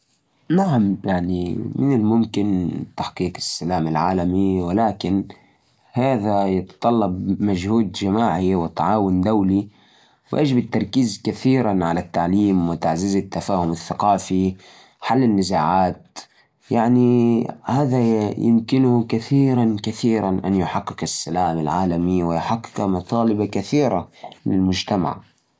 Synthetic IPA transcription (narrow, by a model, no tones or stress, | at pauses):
naʕamjaʕnḭmɪnɪlmʊmkɪnt̪aħqiːqɪ̥sːalaːmɪlʕaːlamiwɪlaːkɪn | haːðajɪt̪t̪ˤɑlːɑbmaʒhuːd̪d͡ʒamaːʕiwɪt̪ˤːɑʕɑːwʊnd̪awli | wɪ̰ʔa̰ːd͡ʒɪbɪt̪ːɑɾˤkiːzkaθiːɾanʕalat̪ːaʕliːmwɪt̪aʕzɪzat̪ːafaːhʊmɪθːaqɑːfi | ħalːɪnːɪzaːʕaːt̪ | jaʕnihaːðajʔɪ̰mkɪnʊkaθiːɾankaθiːɾanʔa̰njʊħaqːɪkasːalaːmalʕaːlamiwɪjħaqːɪ̥kamɑt̪ˤɑːlɪbakaθiːɾalɪlmʊd͡ʒt̪ama̰ʕ